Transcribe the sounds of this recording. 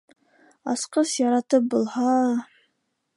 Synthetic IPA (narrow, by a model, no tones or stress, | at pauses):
ɑ̰sqɤsjɑɾɑt̪ɤp̚bulˠhɑ